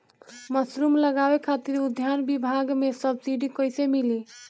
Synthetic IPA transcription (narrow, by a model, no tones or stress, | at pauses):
məsɾumləɡabekʰat̪iɾud̪ʱjanbibʱaɡmesəbsiɖikəjsemili